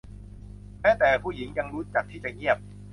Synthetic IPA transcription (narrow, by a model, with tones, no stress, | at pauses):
mɛː˦˥t̪ɛː˨˩pʰuː˥˩ji˩˦ŋja˧ŋɾu˦˥t̪̚t͡ɕaː˨˩k̚t̪ʰiː˥˩t͡ɕa˨˩ŋi˥˩əp̚